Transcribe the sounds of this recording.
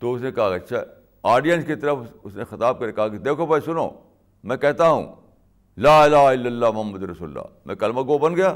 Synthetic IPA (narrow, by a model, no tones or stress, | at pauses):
t̪oʊs̬nẽkɐɦakːɐtːʃʰaɛ | aːɾɖijə̃nskit̪ɐɾəfʊsnexɐt̪aːb̚kɐɾekɐɦaked̪eːkʰobɐisʊno̰ː | mɛ̃kɛɦt̪aɦṵ̃ː | laːɪlaːɦɪlːɐlːaːmʊɦɐmːɐd̪ɾɐsuːllːa̰ːmɛ̰̃kɐlmɐɡobɐnɡɐjaː